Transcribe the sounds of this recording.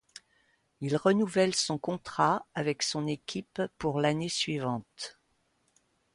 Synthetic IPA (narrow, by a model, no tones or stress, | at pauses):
ilʁənuvɛlsɔ̃kɔ̃t̪χaavɛksɔ̃nekʲʰipːuʁlanesɥivɑ̃t̪